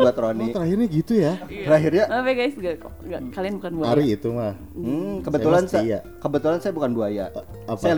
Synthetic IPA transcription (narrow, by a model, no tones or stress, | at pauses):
uat̪ɾonit̪əɾaɦirɲaɡit̪ujat̪əɾaɦirɲaabɛɡajsɡaɡakalianbukanbuaaɾiːt̪umah | m̩kəbət̪ulansa | kəbət̪ulansajabukanbuaja | sajal